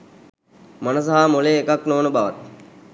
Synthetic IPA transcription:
manəs̬aɦamoleːkaknoːnəbaʋat̪

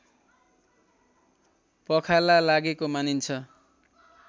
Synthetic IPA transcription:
pʌkʰalalaɡekomanint͡sʰʌ

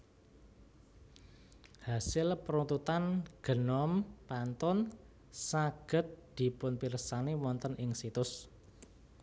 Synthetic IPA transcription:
hasɪlpəɾunt̪ut̪anɡ̥ə̤nɔmpant̪ɔn | saɡ̥ə̤t̪̚d̪̥i̤pʊnpirsanewɔnt̪ənʔɪŋsit̪ʊs

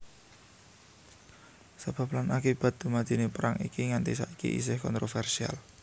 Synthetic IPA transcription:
sab̥ä̤planakib̥ä̤t̪̚d̪̥umad̪̥i̤nepəɾaŋikiŋant̪isa̰ikḭʔḭs̬ɪhkɔnt̪ɾofɛrsia̰l

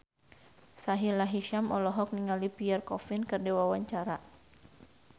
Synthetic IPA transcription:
saɦilaɦiʃamɔlɔɦɔk̚niŋalipiɛrkɔfinkərdɛwawaɲt͡ʃaɾa

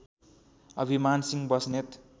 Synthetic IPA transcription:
ʌ̰bʱimansiŋbʌsnet̪

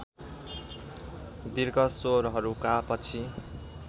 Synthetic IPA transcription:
d̪irɡʌsoɾɦʌɾukapʌt͡sʰi

